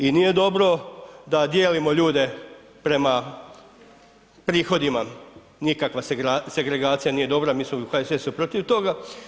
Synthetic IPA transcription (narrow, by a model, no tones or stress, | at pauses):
inije̞d̪o̞bɾo̞d̪ad̪jeːlimo̞ʎuːd̪e̞ | pɾe̞ma | pɾiːxo̞d̪ima | nikakʋaɾase̞ɡɾe̞ɡaːt̪sijanije̞d̪o̞bɾamiːsmokaesʋesupɾot̪iʋt̪o̞ɡa